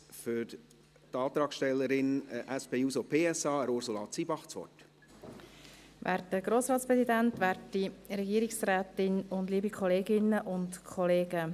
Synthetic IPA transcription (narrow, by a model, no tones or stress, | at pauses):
fʏɾ | tɑːt̪ɾɑːkʃtɛlːəɾɪnʔæspeːuːsopʰeːɛsɑːəɾʊɾsulɑ̰ːt͡siːbɑχt͡sʋɔ̰t | ʋæ̰ːɾtəɡ̥ɾoːsɾɑːtt͡sspɾʁɛsidæntʋæːɾtːiɾɛɡiəɾɪksɾæːtɪnʊndliːbikʰɔleːɡɪnːəʔʊntkʰɔleːɡə